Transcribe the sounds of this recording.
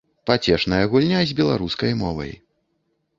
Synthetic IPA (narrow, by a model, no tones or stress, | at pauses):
pat͡sʲɛʂnɐjɐɣulʲnʲazʲbʲɛlˠa̰ɾuskɐjmɔvɐ̰j